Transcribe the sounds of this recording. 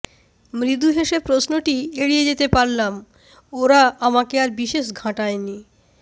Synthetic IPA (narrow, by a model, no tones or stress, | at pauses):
mɾid̪uɦeʃebpɾosnoʈieɽied͡ʑet̪epaɾlam | oɾaamakeaɾbiʃeʃɡʱãʈaeni